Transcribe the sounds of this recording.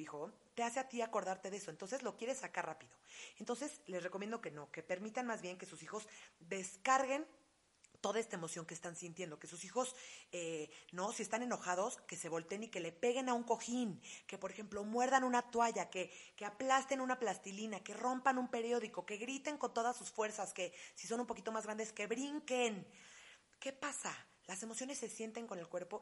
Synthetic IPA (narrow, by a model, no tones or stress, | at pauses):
ixot̪e̞ase̞at̪iako̞ɾðaɾt̪e̞ðe̞so̞ent̪o̞ns̬e̞zlo̞kje̞ɾe̞sːakaɾrapiðo̞e̞nt̪o̞nse̞slezreko̞mje̞nd̪o̞ke̞no̞ke̞pe̞ɾmit̪anmazβje̞ŋke̞susixo̞zd̪e̞skaɾɣe̞n | t̪o̞ðae̞st̪aemo̞sjo̞ŋkest̪ansint̪je̞nd̪o̞ke̞susixo̞seno̞sie̞st̪ane̞no̞xaðo̞ske̞se̞β̞o̞lt̪eːnike̞le̞pe̞ɣe̞nauŋko̞xinke̞po̞ɾe̞xe̞mplo̞mwe̞ɾðanũnat̪waʝake̞keaplast̪enũnaplast̪ilinake̞ro̞mpanumpe̞ɾjo̞ðiko̞ke̞ɣɾit̪e̞ŋko̞nt̪o̞ðasːusfwe̞ɾsaske̞si̥so̞numpo̞kit̪o̞mazɣɾand̪e̞ske̞βɾiŋken | ke̞pasa | lasemo̞sjo̞ne̞sːe̞sje̞nt̪e̞ŋko̞ne̞lkwe̞ɾpo̞